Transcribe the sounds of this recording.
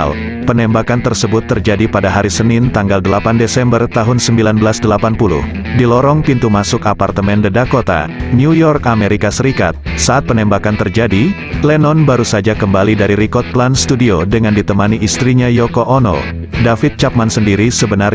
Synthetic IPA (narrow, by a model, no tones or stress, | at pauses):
l | pənɛmbakant̪ərsəbʊt̪ːərd͡ʒadipadaɦaɾisənɪnt̪aŋɡaldəlapandesɛmbərt̪aɦʊnsəmbilanbəlasdəlapanpulṵh | dilɔɾɔŋpint̪umasʊkapart̪əmɛndədakot̪a̰niujɔrkameɾikasəɾika̰t̪̚saat̪̚pənɛmbakant̪ərd͡ʒadi | lɛnɔnbaɾusad͡ʒakəmbalidaɾiɾikɔt̪̚planst̪udiodəŋandit̪əmaniʔist̪ɾiɲajɔkoʔono̰ | dafit̪̚t͡ʃap̚mansəndiɾisəbənar